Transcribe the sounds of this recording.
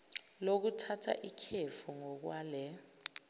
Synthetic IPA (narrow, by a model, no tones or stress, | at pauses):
lok̬utʰatʰa̰ʔikʰefuŋɔk̬waːlɛ